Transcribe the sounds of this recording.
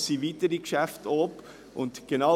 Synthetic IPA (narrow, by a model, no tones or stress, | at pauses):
siviːtəɾikʃæftʰɔp | ʔʊntɡ̥enɑ